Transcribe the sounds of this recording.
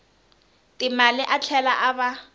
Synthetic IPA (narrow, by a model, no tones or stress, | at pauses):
tʼɪmalɪʔat͡ɬʰɛlaʔaba